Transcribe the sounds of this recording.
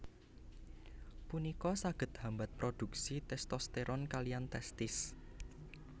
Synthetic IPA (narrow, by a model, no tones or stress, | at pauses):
punikɔsaɡ̥ə̤t̪̚hambat̪̚pɾod̪̥ṳk̚sit̪ɛst̪ɔst̪eɾʔɔnkalijant̪ɛst̪ɪs